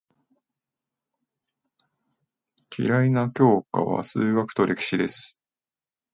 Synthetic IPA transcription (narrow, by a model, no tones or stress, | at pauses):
kʲʰḭɾainakʲo̞ːka̰βa̰sɨːɡakɯ̟̥t̪o̞ɾʔe̞kʲi̥ɕid̪e̞sɨ̥